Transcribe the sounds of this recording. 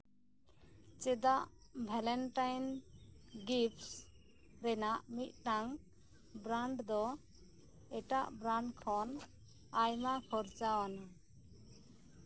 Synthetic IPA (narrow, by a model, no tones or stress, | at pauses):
t͡ʃɛd̪aʔ | bʱɛlɛnʈajn | ɡips | ɾɛnaʔmit̪̚ˀʈaŋ | bɾaɳɖd̪ɔ | ɛʈaʔbɾaɳɖkʰɔn | ajmakʰɔɾt͡ʃawana